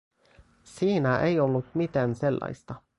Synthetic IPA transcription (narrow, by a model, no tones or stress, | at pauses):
siːnæʔejo̞lːut̪mit̪æːnse̞lːɑ̰jst̪ɑ